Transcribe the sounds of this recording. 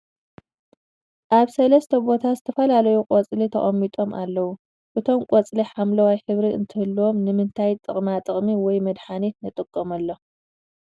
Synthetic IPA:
ʔaβsɐlɐst̪ʰɐbo̞t̪ʰazɨt̪ʰɐfɐlalɐjukʼot͡sʼlit̪ʰɐχʼɐmːit̪ʼo̞mʔa̰lːɐwu | ʔɨt̪ʰo̞mkʷʼot͡sʼliħamlɐwajħɨβɾiɨ̰nt̪ʰɨhɨlːuwo̞mnɨmɨnt̪ʰajt̪ʼɨχʼmat̪ʼɨχʼmiwɔjmɐd̪ħanet̪nɨt̪ʼɨkʼːomɐlːo

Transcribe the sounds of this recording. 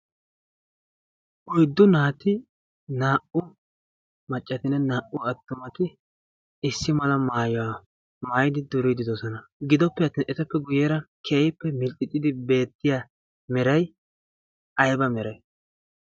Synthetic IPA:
ʔɔjd̪ːʊnaːt̪ɪ | naːʔʊ | mɐt͡ʃʼːɐt̪ɪnɛnaːʔʊɐt̪ːʊmɐt̪ɪ | ɪsːɪmɐlɐmaːjɔwa | maːjɪd̪ɪd̪ʊɾid̪ɪd̪ɔsɔnɐɡɪd̪ɔpːɛɐt̪ːiːnʔɛt̪ɐpːɛɡʊjɛɾɐkʰeːjɪpːɛmɪlkʼːɪt̪ʼːɪd̪ɪbe̞ːt̪ːɪja | mɛɾɐj | ʔɐjbɐmɛɾɐj

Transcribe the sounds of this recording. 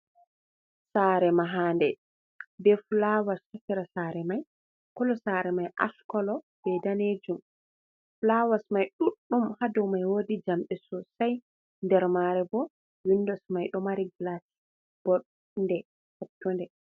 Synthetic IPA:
saːɾɛmaɦaːndɛ | bɛflawastɔsiɾasaːɾɛmaj | kɔlɔsaɾɛmajʔa̰skɔlɔ | b̥ɛdaned͡ʒum | flawasmajɗuɗːumhadɔwmajwodid͡ʒamɓɛsɔsaj | ndɛɾmaɾɛbɔ | winːdɔsmajɗɔmaɾiɡlati̥ | b̥ɔɗ | ndɛ | fatːɔndɛ

